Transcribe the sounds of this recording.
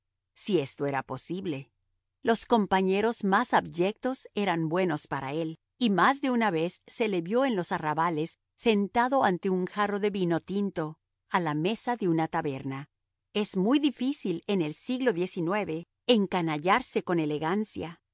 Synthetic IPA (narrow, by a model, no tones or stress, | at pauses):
sie̞st̪o̞e̞ɾapo̞siβle̞ | lo̞sko̞mpaɲe̞ɾo̞zmasaβʝe̞k̚t̪o̞se̞ɾambwe̞no̞spaɾa̰e̞l | imazðe̞unaβe̞sːe̞le̞βjo̞e̞nlo̞saraβale̞sː | e̞nt̪aðo̞ant̪e̞uŋxaro̞ðe̞βino̞t̪int̪o̞ | alame̞saðe̞unat̪aβe̞ɾna | e̞zmujðifisile̞ne̞lsiɣlo̞ðje̞sinwe̞βe̞ | eŋkanaʝaɾse̞ko̞ne̞le̞ɣansja